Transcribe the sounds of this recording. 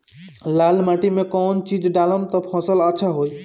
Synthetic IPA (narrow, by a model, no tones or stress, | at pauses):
lalmaʈimekɔnt͡ʃid͡ʒɖaləmt̪ɔpʰɔ̃sələtːʃʰaɦoj